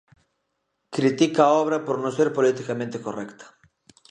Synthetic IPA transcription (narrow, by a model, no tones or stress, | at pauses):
kɾit̪ikaːɔβ̞ɾɐpoɾnõseɾpolit̪ikamẽnt̪ekorɛ̰kt̪ʰɐ̥